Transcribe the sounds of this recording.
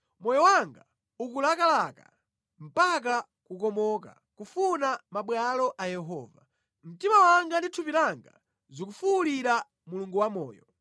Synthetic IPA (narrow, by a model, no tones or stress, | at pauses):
mɔjɔwaŋɡa | ukulakalaka̰ | m̩pak̬a | kukɔmɔka̰ | kufunamaɓwalɔʔajɛɦɔːva̰ | m̩timawaŋɡanditʰupiɾaŋɡa̰ | zukufuuliɾa | muluŋɡuwamɔ̰ːjɔ